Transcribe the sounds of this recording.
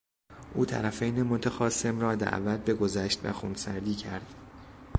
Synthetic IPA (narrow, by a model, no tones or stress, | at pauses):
ʔuːt̪ʰæ̰ɾæfejnemot̪ʰæxɒːse̞mrɒːd̪æ̰ʔvæt̪̚be̞ɡo̞zæʃt̪væ̰xṵːnsæɾd̪iːcʰæɾd̪̥